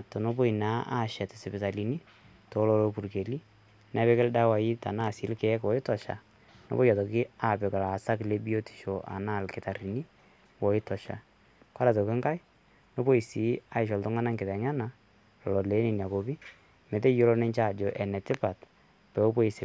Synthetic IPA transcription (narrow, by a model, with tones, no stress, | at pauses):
tɔ˨no˦bo˦i˨na˦ʔa̰˦ʃɛ˨tɪ˨sɪ˨pɪ˨ta˨li˨ni˦ | tɔ˨˦lɔ˦lopu˨ɾke˨li˦ | nɛ˨βɛ˦kɪ˦lda˦wa˨i˦ta̰˨na˦˨sɪ˨˦lkɛ˨˦kwɔ˦ɪ˦tɔ˨ʃa̰˨ | no̰˦bo˦ja˨tɔ˨kɪ˦a˨pɪ˨ka˨la˨sa˦kle˦bi˦o˦ti̥˨ʃo˨ʔa̰˨na˦˨lkɪ˨ta˨ri˨ni˦ | wɔ˨ɪ˦tɔ˨ʃa̰˨ | ka˦ɾa˨to˨kɪ˦ŋka˦j | no˦bo˦i˨si˨a˦ɪ˨ʃɔ˨ltʊ˦ŋa˦na˦ŋkɪ˨tɛ˨ŋa˦na˨ | lɔ˨lɔ˨le˨˦ni˨nja˨ko˨bi˦ | me˨te˦jo˦lo˦nɪ˦ɲt͡ʃa˦˨d͡ʒɔ˨ʔɛ˨nɛ˨tɪ˦pa˨t | pɛ˨o˦po˦i˨sɪ˨